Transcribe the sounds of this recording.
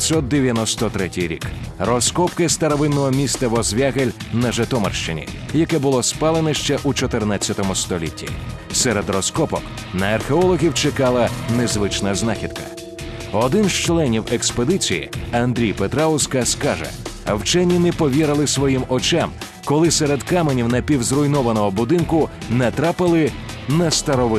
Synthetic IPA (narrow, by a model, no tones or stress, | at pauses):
sʲɔt̪̚d̪eʋʲjɐnɔst̪ɔt̪ɾɛtʲijɾʲḭkrɔskɔpkɪst̪ɐɾɐʋɪnːɔɦɔmʲist̪ɐʋɔzʋʲaɣelʲnɐʒɐt̪ɔmɐ̰rʃt͡ʃɪnʲḭjɐkɛbʊlˠɔspɑlˠenɛʃt͡ʃɛʔut͡ʃɔt̪ɪrnat͡sʲːɐt̪ɔmʊst̪ɔlʲḭtʲːḭsɛɾɛd̪rɔskɔpɔk | nɐːrxeɔlˠɔɣʲiwt͡ʃɪkalˠɐnezʋɪt͡ʃnɐznaxʲid̪̚kɐ̥̰ | ɔd̪ɪnzt͡ʃlˠɛnʲiweksped̪ɪt͡sʲijḭɐnd̪ɾʲijpet̪ɾaʊskɐskaʒɛ̰ɐwt͡ʃɛnʲːinɛpɔʋʲiɾɐlˠɪsʋɔjimɔt͡ʃɛm | kɔlˠɪsɛɾed̪kamenʲiwnɐpʲiwzɾʊjnɔʋɐnɔɦɔbʊd̪ɪnkʊnɛt̪ɾapɪlˠɪ | nɐst̪ɐɾɔʋɪ